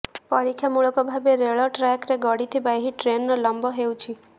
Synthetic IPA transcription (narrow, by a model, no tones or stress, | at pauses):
pɔɾikʰjamuɭɔkɔbʱabeɾeɭɔʈɾakɾeɡɔɽit̪ʰibaeɦiʈɾenːɔlɔmbɔɦewt͡ʃʰi